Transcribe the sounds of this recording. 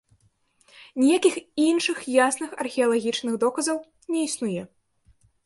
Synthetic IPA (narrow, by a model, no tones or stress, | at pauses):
nʲijakʲixinʂɨxjasnɨxɐ̰rxʲɛɐlˠaɣʲit͡ʂnɨxd̪ɔkɐzɐw | nʲɛisnujɛ